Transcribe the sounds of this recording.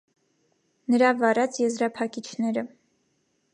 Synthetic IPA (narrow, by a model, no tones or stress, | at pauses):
nəɾɑvɑɾɑt͡sʰjɛzɾɑpʰɑkit͡ʃʰnɛɾə